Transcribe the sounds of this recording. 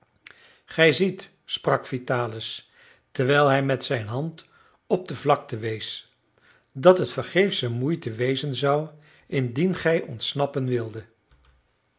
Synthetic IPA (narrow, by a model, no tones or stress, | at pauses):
χɛjzit | sprɑkfitaːləs | tɛɹʋɛjlˠɦɛjmɛtsɛjnɦɑnt | ɔb̚dəvlɑk̚təʋejs | dɑtɦətfəɹχejfsəmujtəʋejzənzɑw | ɪndinχɛjʔɔntsnɑpənʋɪlˠdə